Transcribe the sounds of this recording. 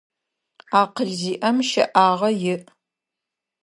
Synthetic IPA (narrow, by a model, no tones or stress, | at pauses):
aːqəɮziːʔɐmʃɐ̰ʔaːʁɐjɪʔ